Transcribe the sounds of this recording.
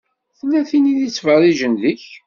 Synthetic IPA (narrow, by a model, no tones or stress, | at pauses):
θəlːæθiniðit͡sːvərˤiʒənðəç